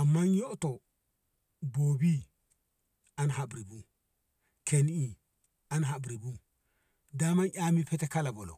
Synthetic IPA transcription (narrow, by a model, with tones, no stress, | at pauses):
a˨mːa˦njo˦ʔto˨ | bo˨bi˦ | a˨nɦa˨bɾi˨bu˦ | kʰe˨ni˨ | a˦nɦa˨bɾi˨bu˦ | da˦ma˦nʔʲa˦mi˦pe˦te˦ka˦la˨bo˨lo̰˨